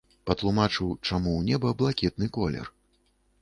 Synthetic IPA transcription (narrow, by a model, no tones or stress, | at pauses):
pɐt̪lˠumat͡ʂɨwt͡ʂamuwnʲɛbɐblˠakʲɛt̪̚nɨkɔlʲɛ̰r